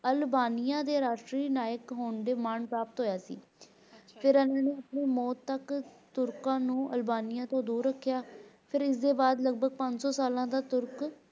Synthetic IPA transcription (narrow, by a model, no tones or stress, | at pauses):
əlbaːnijãːd̪eːɾaːʃʈɾiːnaːjəkɦoːnɖeːmaːɳpɾaːpət̪ɦoːjaːsḭː | pʰɪɾɛnãːneːəpɽeːmɔːt̪ːəkt̪ʊɾkãːnũːʔəlbaːnɪjãːt̪õːd̪uːɾːəkʰːjaːpʰɪɾɪs̬d̪eːbaːd̪ləɡ̚bʱəɡpə̃ɲd͡ʒsɔːsaːlãːd̪aːt̪ʊɾk